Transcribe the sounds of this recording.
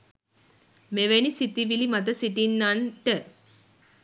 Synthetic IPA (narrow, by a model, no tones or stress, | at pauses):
meʋenisit̪iʋilimat̪̬əsiʈinːanʈə